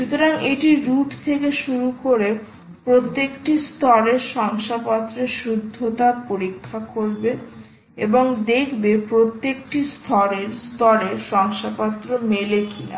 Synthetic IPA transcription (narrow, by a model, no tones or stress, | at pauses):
ʃut̪oɾaŋeʈiɾuʈt̪ʰekeʃuɾukoɾe | pɾot̪ːekʈist̪ɔɾeɾʃɔŋʃapɔt̪ːɾeʃɾud̪ʱːot̪apoɾikʰːakoɾbe | eboŋd̪ekʰbepɾot̪ːekʈist̪ʰɔɾeɾst̪ɔɾeɾʃɔŋʃapɔt̪ːɾomelekina̰